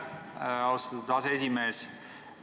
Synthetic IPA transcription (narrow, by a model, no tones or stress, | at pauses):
ɑwst̪ɑt̪ud̪ɑseesimeːs